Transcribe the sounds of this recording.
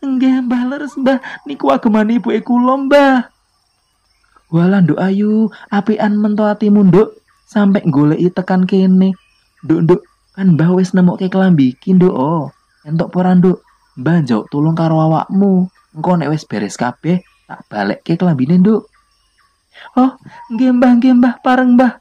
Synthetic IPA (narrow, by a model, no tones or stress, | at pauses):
əŋɡambahləɾəsmbahnikuwaɡ̥ə̤manib̥ṳekulɔmbah | walandoʔajuapiʔanmənt̪oat̪imund̪oʔ | sampɛʔŋɡoleʔjt̪əkankene | nd̪oʔnd̪oʔ | kanmbahwɪsnəmɔʔkekəlambikind̪oʔɔ | ɛnt̪ɔʔpəɾandoʔ | mbahɲd͡ʒao̰ʔt̪ulʊŋkaɾoawa̰ʔmu | ŋkɔnɛʔwɪsb̥e̤ɾɛskab̥ɛh | t̪a̰ʔb̥a̤lə̰ʔkekəlambinendoʔ | ɔhŋɡembahŋɡembahpaɾəŋmbah